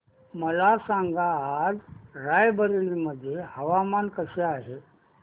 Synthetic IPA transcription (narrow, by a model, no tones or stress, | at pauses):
məlasãŋɡaːd͡zɾajbəɾeliməd̪ʱːjehəʋamankəseaːɦe